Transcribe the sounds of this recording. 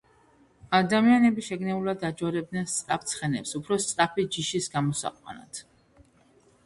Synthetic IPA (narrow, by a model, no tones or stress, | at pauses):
ad̪amianɛbiʃɛɡnɛulad̪ad͡ʒɔɾɛb̚d̪nɛnst̪sʼɾʼap̚ʰt̪sʰχɛnɛ̰psupʰɾɔst̪sʼɾapʰid͡ʒiʃisɡamɔsa̰qʼwa̰na̰t̪ʰ